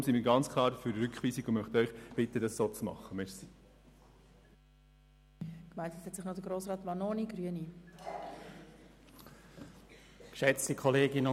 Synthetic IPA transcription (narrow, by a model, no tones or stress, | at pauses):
msimiːɾɡɑnt͡skʰlˠɑːɾfyɾɾʏkχʋiːsiɡʊmœχt̪œʏχb̥ɪtədɑssoːt͡smɑ̰χːəmɛʃsi̥ | kmaɪtəshɛtsɪχnɔd̥əɡɾoːsʁɑːtʋɑnoːniɡɾyəni | kʃɛt͡stikʰɔleːɡɪnʊ